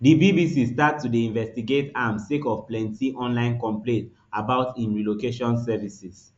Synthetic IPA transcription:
dibibisistattːudeĩnvɛstiɡetamstekɔvplɛ̃ntʰiʔɔ̃nlãɪ̃nkɔ̃mplẽnt | abaʊtĩnɹilokeʃɔ̃nsɛvisis

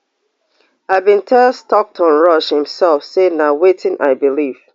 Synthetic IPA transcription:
abĩntʰɛstɔk̚tʰɔ̃nɹʌʃhɪ̃msɛlˠfsenawetʰɪ̃nʔa̰ɪbiliv̥

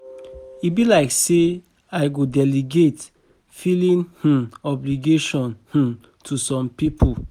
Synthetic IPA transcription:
ibilaɪkse | aɪɡodɛliɡet | filĩnh̩ɔbliɡeʃɔ̃nh̩ | tʰusɔ̃mpipʰu

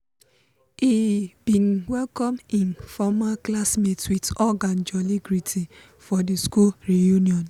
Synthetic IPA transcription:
ibin̩wɛlkɔmĩnfɔmaklasmetwitɔɡãnd͡ʒɔliɡɾitʰi | fɔdiskulɾijuniɔn

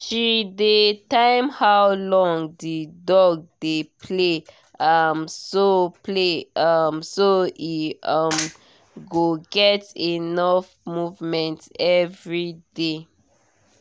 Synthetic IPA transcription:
ʃidetãɪ̃mhawlɔ̃ŋdidɔɡ̚depʰle | amsopʰleʌmsoiʌm | ɡoɡɛtinɔf | muvmɛ̃ntɛvɹide

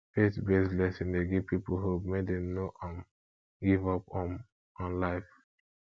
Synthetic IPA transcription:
fetbeslɛsĩndeɡivpipolhumedɛ̃mnoʔɔ̃m | ɡivɔpɔ̃m | ɔ̃nlaɪf

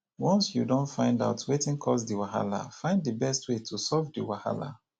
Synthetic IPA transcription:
wɔ̃nsjudõntfãɪ̃nda̰ʊtʰwetɪ̃ŋkʰɔs̬diwaɦa̰la̰fãɪ̃nddəbɛstwetʰusɔvdiwaha̰la̰

